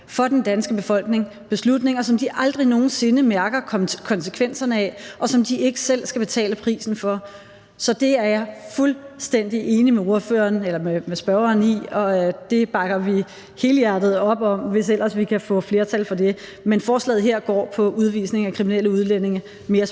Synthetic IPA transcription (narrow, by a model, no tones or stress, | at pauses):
fɒ̽d̥end̥ænsɡ̥əb̥e̝fɒ̽l̰ɡ̥ne̝ŋ | b̥e̝slud̥ne̝ŋɐsɒ̽md̥iʔɑ̈ld̥ʁino̝ːn̩se̝nəmæɐɡ̥ɐkʰɒ̽nsə̥kʰʋen̰sɐnəɛʔɒ̽sɒ̽md̥ie̝ɡ̥əsel̰sɡ̥æb̥e̝t͡sʰɛ̰ːləpʰʁḭːsn̩fɒ̽ | sɒ̽d̥e̝æɐjɑ̈fulsd̥en̰d̥iʔe̝ːnimeo̝ɐfø̰ːɐːnelɐmemesb̥ɶɐɐːniɒ̽d̥e̝b̥ɑ̈ɡ̥ɐʋi | he̝ːljæd̥ð̞̩ˠɒ̽b̥ɒ̽mʋe̝s̬el̰ɐsʋikʰæfɔ̰̽ːfle̝ːɐt͡sʰælfɒ̽de̝ | menfɒːslɛ̰ːð̩ˠɦe̝ɐ̰ɡ̥ɒ̰ːpʰɒ̽uðˠʋḭsne̝ŋækʰʁimineləuð̞ˠlen̰e̝ŋɐ | me̝ːɐ